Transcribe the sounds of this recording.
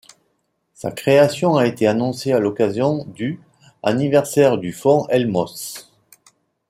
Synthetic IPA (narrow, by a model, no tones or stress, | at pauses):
sa̰kχeasjɔ̃aet̪eanɔ̃sealɔkazjɔ̃d̪y | a̰nivɛʁsɛʁd̪yfɔ̃ʔɛlmɔs